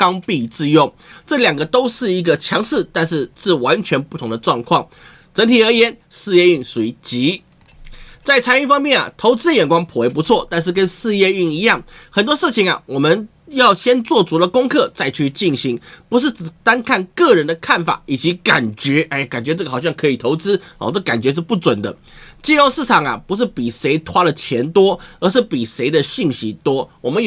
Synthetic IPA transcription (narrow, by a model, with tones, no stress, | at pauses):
kɑ˥ŋpi˥˧t͡sɹ̩˥˧jʊ˥˩ŋ | ʈ͡ʂɤ˥˩ljɑ˨˩ŋɡə˦t̪o˥ʊʂɻ̩˥˩i˧˥ɡə˧t͡ɕʰjɑ˧˥ŋʂɻ̩˥˧t̪a˥˧nʂɻ̩˥˧ʂɻ̩˥˩wa˧˦˥nt͡ɕʰɥɛ˧˥npu˥˩t̪ʰʊ˧˥ŋd̪ə˧ʈ͡ʂwɑ˥˧ŋkʰwɑ˥˩ŋ | ʈ͡ʂə˧˥nt̪ʰi˨˩ə˞˧˥jɛ˧˥nʂɹ̩˥˧jɛ˥˧y˥˩ŋse˧˨˩ɪ˥t͡ɕi˧˥ | t͡sa˥˩ɪt͡sʰa˧˥ny˥˧fɑ˥ŋmjɛ˥˩na̰˩t̪ʰo˧˥ʊt͡sɹ̩˥jɛ˨˩nkwɑ˥ŋpʰu˨˩e˧˥ɪpu˧˥t͡sʰwɔ˥˨t̪a˥˧nʂ̬ɻ̩˥˩kə˥nʂɹ̩˥˧jɛ˥˧y˥˩ni˧˥jɑ˥˩ŋxə˨˩nt̪wɔ˥ʂɻ̩˥˩t͡ɕʰi˨˦ŋɐ̰˨wɔ˨˩mə˦n | jɑ˥˩ʊɕjɛ˥nt͡swɔ˥˩t͡su˧˥lə˨˧kʊ˥ŋkʰɤ˥˧t͡sa˥˧ɪt͡ɕʰy˥˧t͡ɕi˥˩nɕi˧˥ŋpu˧˥ʂ̬ɻ̩˥˩t͡s̩˨˩t̪a˥nkʰa˥˩nkɤ˥˩ɻə˧˦nd̪ə˧kʰa˥˩nfa̰˨˩˦i˨˩t͡ɕi˧˥ka˨˩nt͡ɕɥɛ˧˥ʔɛ˥˩ka˨˩nt͡ɕɥɛ˧˥ʈ͡ʂɤ˥˩ɡə˩xɑ˨˩ɕɑ˥˩ŋkʰɤ˧˥i˨˩t̪ʰo˧˥ʊt͡sɹ̩˥ɔ̰˥˨t͡sɤ˥˩˨ka˨˩nt͡ɕɥɛ˧˥ʂ̬̩˥˧pu˥˩t͡swə˨˩nd̪ə̰˦t͡ɕjɛ˥˧o˥˧ʊsʂɹ̩˥˩t͡sʰɑ˨˩ŋɐ̰˨pu˧˥ʂ̬ɻ̩˥˩pi˨˩ʂe˧˥ɪt̪ʰwa˥lə˨t͡ɕʰjɛ˧˥nt̪wɔ˥ə˞˧˥ʂ̬ɻ̩˥˩pi˨˩ʂe˧˥ɪd̪ə˨ɕi˥˩ŋɕi˧˥t̪wɔ˥wɔ˨˩mə˦nj